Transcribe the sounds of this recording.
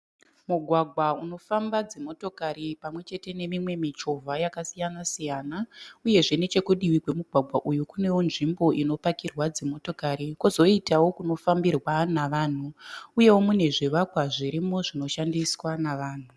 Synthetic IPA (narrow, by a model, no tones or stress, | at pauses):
muɡʱwaɡʱwauno̞fambad͡zemo̞to̞kaɾipamwe̞t͡ʃe̞te̞ne̞mimwe̞mit͡ʃo̞vʱajakasijanasijanauje̞ʐe̞ne̞t͡ʃe̞kuɗiwikwe̞muɡʱwaɡʱwaʔujukune̞wonʐimbo̞ʔino̞pakirwad͡zemo̞to̞kaɾikuzo̞itawo̞kuno̞fambirwanaʋaːn̤uuje̞womune̞ʐiʋakwaʐiɾimoʐino̞ʃandiswanaʋaːn̤u